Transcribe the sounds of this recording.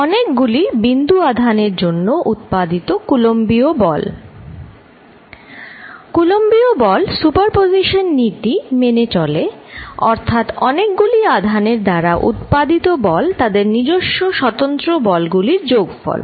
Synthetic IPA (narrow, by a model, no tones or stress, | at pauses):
ɔnek̚ɡulibind̪uad̪ʱaneɾd͡ʑonːoʔut̪̚pad̪it̪okulombiobɔl | kulombiobɔlsupaɾpoziʃonːit̪imenet͡ɕɔleɔɾt̪ʰat̪ɔnek̚ɡuliad̪ʱaneɾd̪aɾaʔṵt̪pad̪it̪obɔlt̪ad̪eɾnid͡ʑoʃːoʃɔt̪ont̪ɾobɔlɡuliɾd͡ʑoɡfɔ̰l